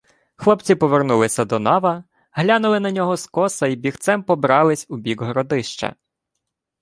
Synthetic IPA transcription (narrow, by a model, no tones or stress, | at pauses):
xlˠɔpt͡sʲipɔʋernulˠɪsʲɐd̪ɔnɑʋɐ | ɦlʲanʊlˠɪnɐnʲɔɦɔskɔsɐibʲixt̪sɛmpɔbɾɑlˠɪsʲubʲiɡɦɾɔd̪ɪʃt͡ʃɐ̰